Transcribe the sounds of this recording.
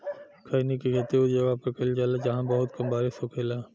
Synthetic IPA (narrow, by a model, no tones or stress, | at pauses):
kʰɐːinekiɡʰɐt̪iʊd͡ʒɐɡapɐɾkɐld͡ʒaːlad͡ʒɐɦãbɐɦʊt̪kɐmbaːɾesokʰeːlaː